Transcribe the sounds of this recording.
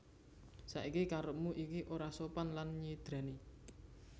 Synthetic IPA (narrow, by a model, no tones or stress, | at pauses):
sa̰ʔikikaɾəp̚muʔikiʔoɾasopanlanɲid̪̥ɾa̤ni